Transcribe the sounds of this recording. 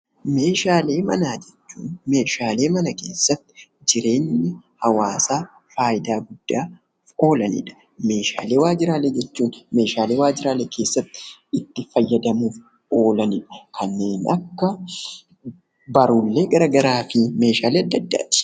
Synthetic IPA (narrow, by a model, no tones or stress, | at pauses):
me̞ːʃaːle̞ːmɐ̰naːd͡ʒɛt͡ʃːuːnme̞ːʃaːle̞ːmɐnɐke̞ːsːɐt̪ːɪ̥d͡ʒɪɾe̞ːɲːɪhɐwaːsaː | faːjɪd̪aːɡʊd̪̥ːaː | o̞ːlɐnɪ̰ᶑɐ̥ | me̞ːʃa̰ːle̞ːwaːd͡ʒɪɾaːleːd͡ʒɛt͡ʃːuːnme̞ːʃaːleːwaːd͡ʒɪɾaːleːkʰe̞ːsːɐt̪ːɪ̥ɪt̪ːɪfɐjːɐd̪ɐmuːf | o̞ːlɐnɪᶑɐ̥kʰɐnːe̞ːnɐkːɐ | bɐɾʊlːe̞ːɡɐɾɐɡɐɾaːfɪme̞ːʃaːleːɐd̪ːɐd̪ːa̰ːt̪ɪ̥